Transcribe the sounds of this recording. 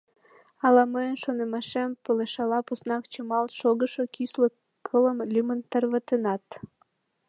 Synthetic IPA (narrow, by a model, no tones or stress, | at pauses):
ɑlɑməjənʃonemɑʃempəleʃɑlɑposnɑk̚t͡ɕəmɑlʃoɣəʃokislo | kʰələmlʲymənt̪ərβət̪enɑt̪